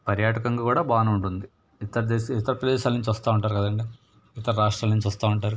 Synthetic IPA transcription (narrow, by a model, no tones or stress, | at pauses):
pɐɾjaːʈɐkɐŋɡaːkuːɽaːbaːnɐuɳʈund̪i | it̪ɐɾɐd̪eːit̪ːɐɾɐpɾɐd̪ɛːʃaːlnuɲt͡ʃʋɐst̪aːuɳʈaːɾukɐd̪ɐɳɖi | it̪ɐɾɐɾaːʂʈɾaːlnuɲt͡ʃuʋɐst̪aːuɳʈaːɾu